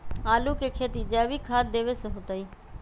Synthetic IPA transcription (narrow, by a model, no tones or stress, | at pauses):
aːluːkekʰeːt̪iːd͡ʒɛːʋiːkʰaːt̪d̪eːʋesəɦʊt̪aiː